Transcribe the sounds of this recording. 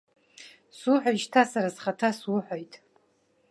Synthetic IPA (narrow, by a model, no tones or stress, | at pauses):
sʊħʷaʒtʰasaɾazχatʰaswʊħʷojtʼ